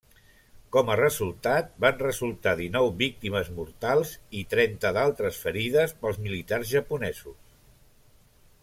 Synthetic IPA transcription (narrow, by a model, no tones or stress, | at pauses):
kɔmərəzulˠt̪at̪̚banrəzulˠt̪aðinɔwβik̚t̪iməzmuɾt̪alˠzit̪ɾɛnt̪əðalˠt̪ɾəsfəɾiðəspəlˠzmilit̪arzʒəpunɛzus